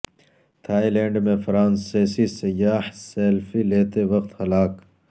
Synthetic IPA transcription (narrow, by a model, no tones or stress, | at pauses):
t̪ʰaːilẽːɳɖmẽfɾaːnseːsisɐjaːhseːlfileːt̪eʋɐqt̪hɐlaːk